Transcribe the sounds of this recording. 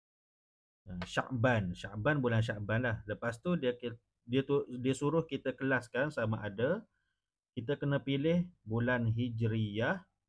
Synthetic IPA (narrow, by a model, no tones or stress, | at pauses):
əʃa̰ʔbanʃa̰ʔbanbulanʃ̬aʔbanlahləpast̪udik | diət̪udiəsuɾʊhkit̪əkəlaskansamaʔada | kit̪əkənə̃pilɪhbulanɦid͡ʒɾiah